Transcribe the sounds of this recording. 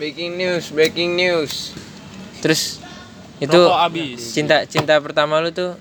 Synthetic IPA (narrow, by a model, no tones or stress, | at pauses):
bekɪŋnusbɾekɪŋnus | t̪əɾʊs | it̪uabit͡ʃint̪at͡ʃint̪apərt̪amalut̪u